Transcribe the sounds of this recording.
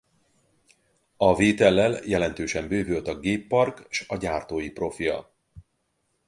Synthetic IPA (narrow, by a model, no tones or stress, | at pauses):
ɒveːt̪ɛlːɛljɛlɛnt̪øːʃɛmbøːvølt̪ɒɡeːpːɒrkʃɒɟaːrt̪oːjipro̞fijɒ̰